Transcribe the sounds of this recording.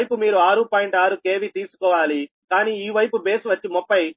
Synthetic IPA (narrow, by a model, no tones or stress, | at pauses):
jpumiːɾuaːɾupaːjiɳʈaːɾukeːʋit̪iːsu̥kɔːʋaːli | kaːniːiːʋɐjpube̞ːsuʋɐt͡ʃːimɔpːɐj